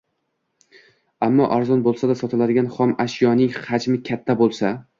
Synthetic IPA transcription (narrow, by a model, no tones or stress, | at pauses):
amːɒʔaɾzɒnbolˠsad̪asɒt̪ʰɪlad̪ɪɡʲanχɒmaʃjɒnɪŋhad͡ʒmɪkʲʰat̪ʰːabolˠsa